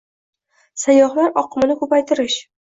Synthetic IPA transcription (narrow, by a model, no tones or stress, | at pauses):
sajɒhlaɾɒqʰɨmɪnɪkʰɵpajt̪ʰɪɾɪʃ